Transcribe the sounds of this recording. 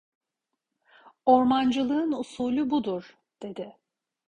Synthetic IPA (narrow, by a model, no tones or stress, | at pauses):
o̞ɾmand͡ʒɯlˠɯɯnusuːlʲubud̪uɾ̥ | d̪̥e̞d̪ɪ